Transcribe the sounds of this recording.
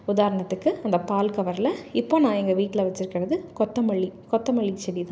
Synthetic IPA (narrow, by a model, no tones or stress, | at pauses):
ʊðaːɾɐɳɐt̪ːɯkːɯɐnd̪ɐpaːlkɐʋɐɾlɐɪpːoːnãːɛŋɡɐʋiːʈːɪlɐʋɐt͡ʃːɪɾɯkːɪɾɐðɯkɔt̪ːɐmɐɭːikɔt̪ːɐmɐɭːit͡ʃːɛɽit̪ãː